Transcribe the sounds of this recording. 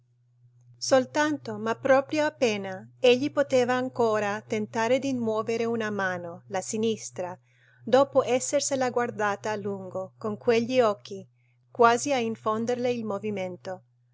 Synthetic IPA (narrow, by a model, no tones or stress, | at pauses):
solt̪ant̪omapːɾɔːpɾjoapːeːnaeʎːipot̪eːvaːŋkoːɾat̪ent̪aːɾed̪immwɔːveɾeunamaːnolasinist̪ɾa | d̪ɔːpoʔɛsːerselaɡward̪aːt̪aːlːuŋɡokoŋkweʎːiɔkːi | kwaːziaiɱfond̪erleilmoviment̪o